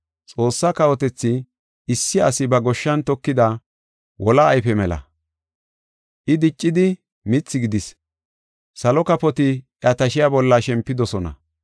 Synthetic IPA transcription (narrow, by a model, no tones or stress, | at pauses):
t͡sʼo̞ːsːakɐwɔt̪ɛt͡sːɪ | ɪsːɪɐsɪbɐɡɔʃːɐnt̪ɔkːɪd̪ɐ | wʔɔlɐːjfɛmɛlɐ̰ | ʔɪd̪ɪt͡ʃʼːɪd̪ɪ | mɪt͡sːɪɡɪd̪ɪs | sɐlɔkɐpɔt̪ɪʔɐt̪ɐʃɪjabɔlːɐʃɛmpːɪd̪ɔsɔnɐ̰